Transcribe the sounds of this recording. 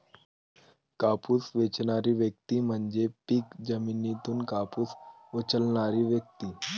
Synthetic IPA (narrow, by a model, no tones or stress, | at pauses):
kapusʋet͡ɕnaɾiːʋjək̚t̪iːm̤əɳd͡ʑepiːkd͡ʑəminit̪uːnkapuːs | ot͡ɕəlɳaɾiːʋjək̚t̪iː